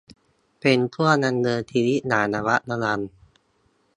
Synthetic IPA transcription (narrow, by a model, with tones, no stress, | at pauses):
pe˧np̪ʰu˥˩ɐna˧nːɤː˧t̪ʰi˧li˦˥ʔnaː˩˦naː˧wa˦˥ʔna˧˥la˧n